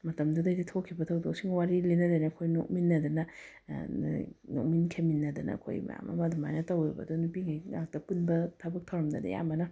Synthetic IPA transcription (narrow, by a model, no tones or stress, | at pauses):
mɐtɐmdudɐjditʰokʰːibɐtʰɐwdok̚siŋwaɾilenɐdajnɐkʰojnok̚minːɐdɐnɐ | no̰k̚minkʰeminːɐdɐnɐ̰kʰo̰jmɐ̰ja̰mʔɐ̰mɐduma̰jnɐtɐwebɐ̰dunupiŋajŋak̚tɐpunbɐtʰɐbɐk̚tʰɐwɾɐmdɐ̰dɐ̰ja̰mɐnɐ